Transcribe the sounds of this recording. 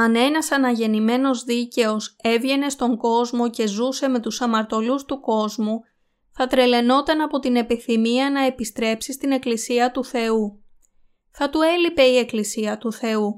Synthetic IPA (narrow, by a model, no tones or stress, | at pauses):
ɐne̞nɐsɐnɐʝe̞nime̞no̞zðice̞o̞se̞vʝe̞ne̞st̪o̞ŋɡo̞zmo̞ce̞zuse̞me̞t̪usɐmɐɾt̪o̞lust̪uko̞zmu | θɐt̪ɾe̞le̞no̞t̪ɐnɐpo̞t̪ine̞piθimiɐnɐe̞pist̪ɾe̞psist̪ine̞klisiɐt̪uθe̞u | θɐt̪ue̞lipe̞ie̞klisiɐt̪uθe̞u